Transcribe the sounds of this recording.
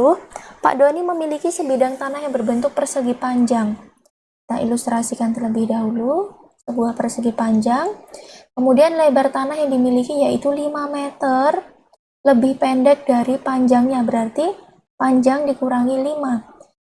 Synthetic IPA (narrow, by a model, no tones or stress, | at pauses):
pa̰ʔdoniməmilikisəbidaŋt̪anahjaŋbərbənt̪ʊk̚pərsəɡipaɲd͡ʒaŋ | t̪aʔḭlust̪ɾasikant̪ərləbɪhdaɦulu | səbuahpərsəɡipaɲd͡ʒaŋkəmudianlebart̪anahjaŋdimilikijait̪ulimamet̪ər | ləbɪhpɛndɛk̚daɾipaɲd͡ʒaŋɲabəɾart̪i | paɲd͡ʒaŋdikuɾaŋilima